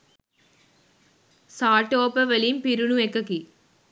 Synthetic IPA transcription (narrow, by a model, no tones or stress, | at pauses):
saːʈːoːpɐʋɐlimpiɾuɳuekːɐki